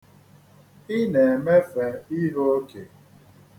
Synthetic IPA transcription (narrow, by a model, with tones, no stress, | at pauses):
i˦ne˨me˦fe˨i˦ɦo˦o˦ke˨